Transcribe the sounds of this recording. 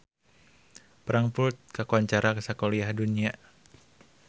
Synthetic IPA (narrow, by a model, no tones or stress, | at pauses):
pəɾaŋpʊrt̪̚kakuaɲt͡ʃaɾakəsakoliahdunia